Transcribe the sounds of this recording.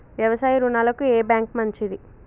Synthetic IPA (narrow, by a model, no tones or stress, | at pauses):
ʋjɐʋɐsaːjɐɾunaːlɐkueːbjaːŋk̚mɐɲt͡ʃid̪i